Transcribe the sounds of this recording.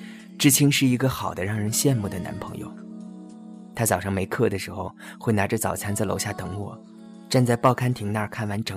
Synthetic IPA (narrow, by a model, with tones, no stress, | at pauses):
ʈ͡ʂɻ̩˥˩t͡ɕʰi˥nʂɻ̩˥˩i˧˥ɡə˧xɑ˨˩ʊd̪ə˦ɻɑ˥˩ŋɻə˧˥nɕjɛ˥˧nmu˥˩d̪ə˩na̰˧˥npʰɤ̰˧˥ŋjo̰˧ʊ | t̪ʰa˥t͡sɑ˨˩ʊʂɑ˥˩ŋme˧˥ɪkʰɤ˥˩d̪ə˩ʂɻ̩˧˥xo˧ʊxwe˥˩ɪna˧˥ʈ͡ʂə˧t͡sɑ˨˩ʊt͡sʰa˧˥nt͡sa˥˩lo̰˧˥ʊɕja˥˩t̪ɤ˧˥ŋwɔ̰˨˩˦ | ʈ͡ʂa˥˧nt͡sa˥˧ɪpɑ˥˩ʊkʰa˥nt̪ʰi˧˥ŋna˥˩ə˨˩kʰa˥˩nwa˧˥nʈ͡ʂɤ˧˥